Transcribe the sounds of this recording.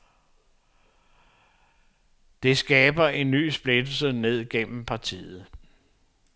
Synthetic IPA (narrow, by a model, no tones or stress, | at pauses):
d̥e̝sɡ̥ɛːb̥ɐe̝nːy̰ːsb̥le̝d̥l̩səne̝ð̞̰ˠɡ̥en̰m̩pʰɑ̈t͡sʰḭːð̩ˠ